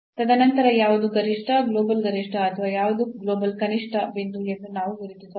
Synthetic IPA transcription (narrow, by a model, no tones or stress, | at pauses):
t̪ɐd̪ʱɐnɐnt̪ɐɾɐjaːʋud̪uɡɐɾiʂʈʰɐɡloːbɐlɡɐɾiʂʈʰɐɐt̪ʰɐʋaːjaːʋud̪uɡloːbɐlkɐniʂʈʰɐbend̪ujet̪ɐnaːʋuʋiɾit̪ːisɐ